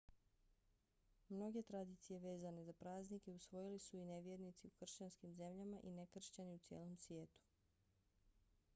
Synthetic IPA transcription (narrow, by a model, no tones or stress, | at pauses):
mno̞ɡe̞t̪ɾad̪iːt̪sije̞ʋe̞ːzane̞zapɾaːznikeusʋo̞jilisuineʋjeɾnit̪siukr̩ʃt͡ɕanskimze̞mʎamaʔinekr̩ʃt͡ɕaniut̪sjeːlˠo̞msʋʲjeːt̪u̥